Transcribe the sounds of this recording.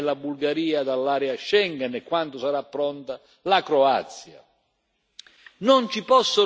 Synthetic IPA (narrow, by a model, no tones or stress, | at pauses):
labulɡaɾiːad̪alːaːɾɛaʃːɛŋɡanɛkːwant̪ʊsaɾapːɾɔnt̪a | lakɾɔa̰t̪sːja̰ | nɔnt͡ʃipɔsːʊ